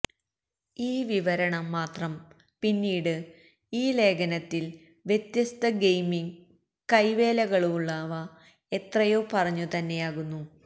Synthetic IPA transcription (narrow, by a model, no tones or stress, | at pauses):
iːʋiʋɐɾɐɳɐmːaːt̪rɐm | pinːiːɽɨ | iːle̞ːɡɐnɐt̪ːil | ʋjet̪jɐst̪ɐɡejmiŋ | kɐjʋe̞ːlɐɣɐɭuuɭːaːʋɐ | e̞t̪rɐjo̞ːpɐrɐɲːut̪ɐnːe̞jaːɣunːu